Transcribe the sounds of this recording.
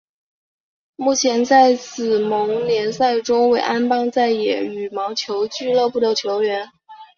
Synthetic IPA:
mu˥˩t͡ɕʰjɛ˧˥nt͡sa˥˩˧ɪt͡sɹ̩˨˩mɤ˧˥ŋnjɛ˧˥nsa˥˩ɪʈ͡ʂo˥ʊwe˥˩ɪʔa˥npɑ˥ŋt͡sa˥˩ɪjɛ̰˨˩y˨˩mɑ˧˥ʊt͡ɕʰjo˧˥ʊt͡ɕy˥˧lɤ˥˧pu˥˩t̪ɤ˥˩t͡ɕ̪ʰjo˧˥ʊɥɛ˧˥n

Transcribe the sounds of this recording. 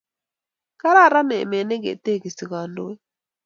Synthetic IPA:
ka˦ɾa˦˨ɾa˦nɛ˨me˨nɛ˦ɡḛ˨t̪e˦˨ɡi˨si˨ɣa˨ndo˦we˦

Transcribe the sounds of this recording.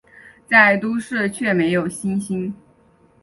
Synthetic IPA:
t͡sa˥˩ɪt̪u˥ʂɻ̩˥˩t͡ɕʰɥɛ˥˩me˧˥ɪjo˨˩ʊɕi˥nɕi˥n

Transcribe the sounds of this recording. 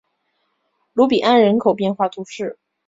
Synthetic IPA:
lu˧˥pi˨˩ʔa˥˩nɻə˧˥nkʰo˨˩ʊpjɛ˥˧nxwa˥˩t̪ʰu˧˥ʂɻ̩˥˩

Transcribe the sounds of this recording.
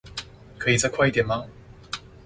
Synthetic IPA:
kʰɤ˧i˨t͡sa˥kʰwa˥˧jt̪iɛ˨˩nma˧˥

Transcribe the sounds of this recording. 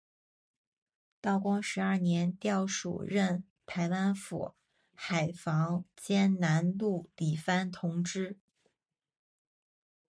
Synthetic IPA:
t̪ɑ˥˩ʊkwɑ˥ŋʂɻ̩˧˥ɐ˞˥˩njɛ˧˥nt̪jɑ˥˩ʊʂṵ˨˩ɻə˥˩n | t̪ʰa˧˥ɪwa˥nfṵ˨˩ | xa˨˩ɪfɑ˧˥ŋt͡ɕjɛ˥nna˧˥nlu˥˩li˨˩fa˥nt̪ʰʊ˧˥ŋʈ͡ʂɻ̩˥

